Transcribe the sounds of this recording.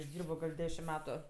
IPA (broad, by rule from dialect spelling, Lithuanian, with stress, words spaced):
ɪʒʲˈdʲiːrboː ɡɐlʲ ˈdʲæːʃʲɪm ˈmʲæːtʊ